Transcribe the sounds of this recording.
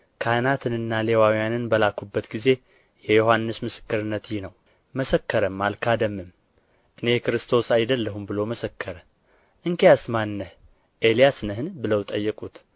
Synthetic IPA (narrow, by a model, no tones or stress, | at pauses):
kʰanat̪ʰɨnɨnːale̞wawjanɨnbəlakːubːət̪ɡize̞ | jɛjohanːɨsmɨsɨ̥kːɨɾɨnːət̪jɪhnəw | məsəkːəɾəmːalkʰad̪əmːɨm | ʔɨne̞kɨɾɨst̪ʰo̞sajd̪əlːəɦumbɨlo̞məsəkːəɾə | ʔɨŋkeasmanːəh | ʔe̞lijasnəɦɨnbɨləwt̪ʼəjːɛkʼut̪